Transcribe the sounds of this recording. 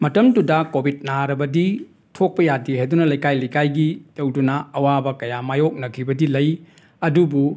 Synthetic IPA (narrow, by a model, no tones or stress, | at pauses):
mɐtɐmdudɐkobʱit̚naɾɐbɐdi | tʰok̚pɐjadiɦejdunɐlɐjkajlɐjkajɡitɐwdunɐːwabɐkɐjamajok̚nɐkʰibɐdilɐj | ɐdubu